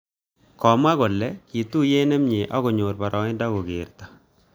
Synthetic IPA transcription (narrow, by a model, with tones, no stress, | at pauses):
kɔ˨ma˦ɡɔ˨lɛ˨˦ki˨t̪u˦je˦nɛ˦mɲe˨ʔɔ˦ɡɔ˨ɲo˨ɾpa˨ɾʔɔ˨ŋɪ˦da˦ɡɔ˨ɡɪ˨ɾt̪a˨